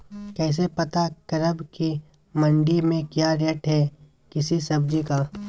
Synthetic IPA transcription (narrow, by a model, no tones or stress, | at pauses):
kɛːs̬epɐt̪akɐɾəbki | mɐ̃ɳɖimẽkjaːɾɛːʈɦɛː | kɪsisɐb̚d͡ʒikaː